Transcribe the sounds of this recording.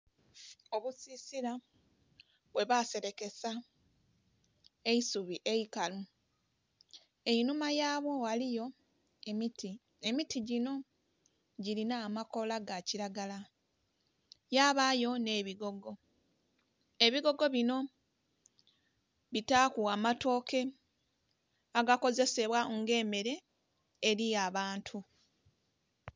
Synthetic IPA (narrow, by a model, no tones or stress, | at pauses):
o̞βusisiɾa | βwe̞βase̞ɾe̞ke̞sa | e̞isuβiʔeikalu | e̞inumajaːβwo̞ɣalijo̞ | ti | emitiɟino̞ | ɟilinaːmako̞laɡaciɾaɡala | jaːβajo̞ne̞ːβiɡo̞ɡo̞ | e̞βiɡo̞ɡo̞βino̞ | βitaːkuamato̞ːke̞ | aɡako̞ze̞se̞βwaŋɡe̞ːme̞ɾe̞ː | ɾijaβaːntʰu